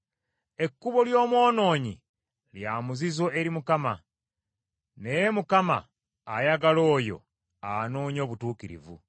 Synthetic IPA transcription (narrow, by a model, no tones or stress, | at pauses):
e̞kːuβo̞ljo̞ːmwo̞ːno̞ːɲḭ | ljaːmuzizo̞eɾimukama̰ | nejemukama̰ː | jaɡalo̞ːjo̞̰ | anoːɲo̞ːβutuːkiɾḭvṵ